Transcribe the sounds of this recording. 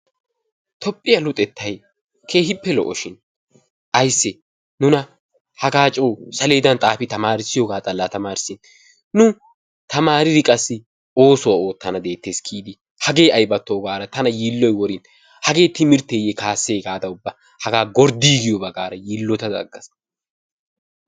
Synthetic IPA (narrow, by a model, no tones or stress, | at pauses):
t̪ʰɔpʼːɪjɐlʊt̪ʼɛt̪ːɐj | kʰe̞ːhɪpːɛlɔ̰ʔɔʃɪn | ʔɐjsːɛ | nʊnɐ | hɐɡaːt͡ʃʼoːsɐle̞ːd̪ɐnt̪ʼaːfɪt̪ɐmaːɾɪsɪjɔɡaːt̪ʼɐlːɐt̪ɐmaːɾɪsɪn | nʊ | t̪ɐmaːɾɪɾɪkʼɐsːɪ | o̞ːsɔwɐo̞ːt̪ːɐnɐd̪e̞ːt̪ːeːskʰiːd̪ɪ | hɐɡe̞ːɐjbɐt̪ːoːɡaːɾɐt̪ɐnɐjiːlːɔjwɔɾɪn | hɐɡe̞ːt̪ɪmɪɾt̪ːeːjɛkaːsːeːɡaːd̪ɐʊbːɐ | hɐɡaːɡɔɾd̪iːɡɪjɔbɐɡaːɾɐjiːlːɔt̪ɐd̪ɐ̰ɡːɐs